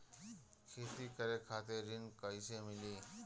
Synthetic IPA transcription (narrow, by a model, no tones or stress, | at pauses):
kʰeːt̪ikəɾekʰaːt̪eɾɪnkəjsemɪliː